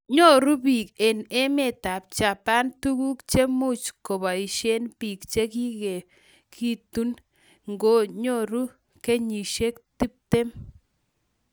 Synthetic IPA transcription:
ɲo˦ɾu˦pi˨ke˨ne˦me˨ta˨p̚t͡ʃa˨pa˦ntu˦ku˦kt͡ʃe˦mu˦t͡ʃko˨ba˨i˨ʃe˦npi˨k̚t͡ʃe˦ki˦ke˨ | kʰi˦tu˦n | ŋɡo˦ɲo˦˨ɾu˦ | ke˦ɲi˨ʃe˦kti˦p̚te˦m

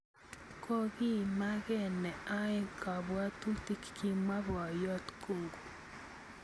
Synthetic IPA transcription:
kɔ˦ɣi˦ma˦ɣɛ˦˨nɛ˨a˦e˦ka˨βwa˦t̪u˦t̪i˦kkʰi˦ma˦βwa˨jɔ˦t̪ko˦˨ŋɡo˨

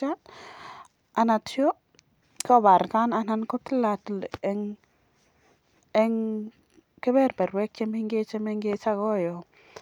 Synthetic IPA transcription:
a˦ | a˨na˨tjo˦ | kɔ˦˨ba˨ɾka˦na˦na˦nko˦tla˨tlɛ˦ŋ | ɛ˦ŋ | kɪ˦bɛ˦ɾbɛ˨ɾwɛ˦k̚t͡ʃe˦me˦ŋɡe˦t͡ʃe˦me˦ŋɡe˦t͡ʃa˦ɡɔ˦˨jo˨

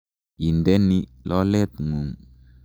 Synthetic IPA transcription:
i˨ndɛ˦ni˦lɔ˦lɛ˦˨t̪u˨ŋu˨ŋ

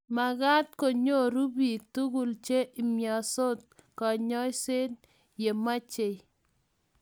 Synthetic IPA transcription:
ma˨ka˦tko˨ɲo˦ɾu˦bi˨tu˦ɡu˨lt͡ʃe˦ʔi˨mja˨so˦t̚ka˨ɲɔ˦jse˦n | je˨ma˦t͡ʃe˨j

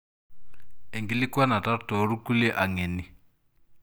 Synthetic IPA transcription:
ɛ˨ŋɡi˦li˦kwa˦na˨ta˦tɔ˨˦ɾu˦ku˦lɛ˦ʔa˨ŋɛ˨ni˦˨

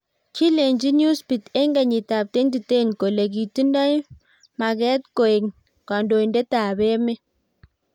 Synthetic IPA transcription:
ki˦le˨ɲd͡ʒi˦nju˦spi˨t̪ɛ˦ŋɡa˨ɲi˨ta˨p̚te˦ndi˨te˦˨nko˨le˨ɡ̬i˨ti˦nda˦j | ma˨ɡɛ˦t̪̚ko˨e˨ŋ | ka˨ndo˨i˨nde˦ta˨be˦me˦

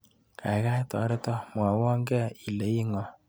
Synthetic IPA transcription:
ka̰˨i˨ka˦i˦tɔ̰˨˦ɾe˦tɔ˦mwa˨wɔ˦ŋɡɛ˦˨i˨le˨i˦ŋɔ˨

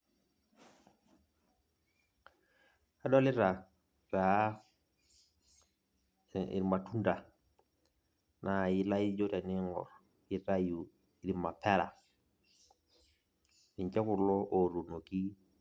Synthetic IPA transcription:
a˦do˦li˦ɾa˨ | ɾa˨˦ | ḭ˨ɾma˨tu˦nda˨ | na˨ji˦la˦ji˦d͡ʒo˦te˨ni˦ŋɔ̰˨ɾ | ji˦ɾa˦ju˨ | i˨ɾi˨ma˨pʰe˦ɾa̰˨ | i˨t͡ʃe˦ku˨ɾlo˦ʔo˨ɾu˨no˨ki˦

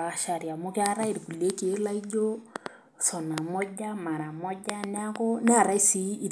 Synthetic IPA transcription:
a˨ʃa˨ɾja˨mʊ˦kɪ˦a˦ɾa˦i˨ɾku˨le˦ke˨˦la˦i˦ɟo˦ | sɔ˨na˨mɔ˦ɟa˦ma˨ɾa˨mɔ˦ɟa˦nɪ˦a˦kɔ˦nɪ˦a˦˨ɾa˦i˦si˦i˨

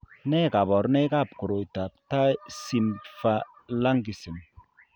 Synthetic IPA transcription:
nɛ˦ka˨bɔ˨ɾnɛ˦ka˦˨pku˨ɾo˨jta˨p̚ta˦si˦mfa˦la˦ŋɡi˨si˨n

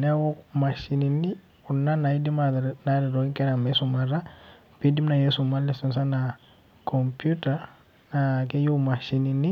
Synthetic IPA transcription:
nɛ˦wɔ˦ma˨ʃi˦ni˨nɪ˦ | ʊ˨nna˦na˨i˦di˦manaɾɪ˨ɾɔ˦ŋ˦kʼɛ˦ɾa˨mɛ˦sʊma˨ɾa˦ | pi˦di˦mna˨je˦sʊma˦lɛ˦sɔ˦nsa˦na | kʰɔ˨mpʰʼju˦tʼa | na˨kɛ˦jo˦ma˨ʃi˦ninɪ˦

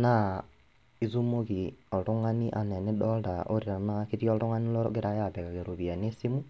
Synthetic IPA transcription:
na˦ | i˦zu˦mo˦ki˨ɔ˨ɾo˦ŋa˦ni˦ʔa˨nɛ˨ne˦ɗɔ˦lda˨ʔo˦ɾiɾa˨na˦ke˦ti˦ɔ˦ɾo˦ŋa˦ni˦lɔ˦ɾke˦ɾa˦ja˦˨βɛ˨ka˨ke˨ɾo˨βi˨a˨ne˦si˦mu˦

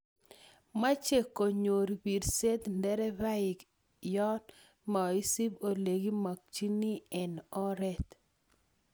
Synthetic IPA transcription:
ma˦t͡ʃe˨ko˨ɲo˨ɾbi˨ɾse˦t̪ndɛ˦ɾɛ˦ba˦ɪ˨k | jɔ˦n | ma˨i˦si˦bo˨le˨ɡi˦ma˨k̚t͡ʃi˦ni˦ɛ˨nɔ˦ɾɛ˦t̪

